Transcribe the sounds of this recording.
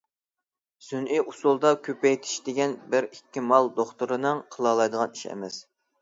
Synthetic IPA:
synʔijʔusulˠd̪ɑkʲʰøpɛjt̪ʰi̥ʃd̪ɪɡʲɛnbɪɾikʲːimɑlˠd̪oχt̪uɾɨnɨŋqʰəlˠɑlˠɑjd̪əʁɑniʃɛ̰mɛs

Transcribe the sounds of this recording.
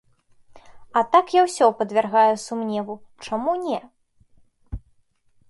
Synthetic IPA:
ɐt̪akjawsʲɔpɐd̪vʲarɣajusumnʲɛvut͡ʂamunʲɛ

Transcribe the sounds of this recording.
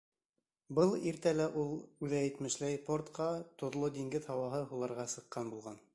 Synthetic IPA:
bɤlˠiɾt̪ælæʔulˠʉðæjɘ̆t̪mɘ̆ʃlæjport̪qɑt̪ŏðlˠod̪iŋɡɘðhɑwɑɦɤɦulˠɑɾʁɑsɤ̆qːɑnbulˠʁɑn

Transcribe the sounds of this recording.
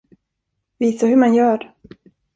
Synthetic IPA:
viːsahɵmanjœːɾ

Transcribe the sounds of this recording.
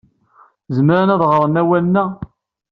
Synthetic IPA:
zəmɾanæðˤʁɾˤənæwælənːæ

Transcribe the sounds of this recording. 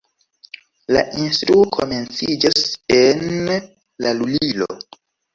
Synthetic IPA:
la̰ʔinstɾuokʰome̞nt͡sid͡ʒasen | lalulilo̰

